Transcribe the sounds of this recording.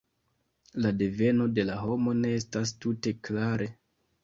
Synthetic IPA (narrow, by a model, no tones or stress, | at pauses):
lade̞ve̞no̞de̞laɦo̞mo̞ne̞estas̬tute̞klaɾʔe̞